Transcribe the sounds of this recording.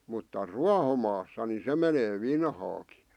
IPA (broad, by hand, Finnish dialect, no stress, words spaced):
mutːɑ ruɑhomɑːsːɑ ni se meneː ʋinhɑːki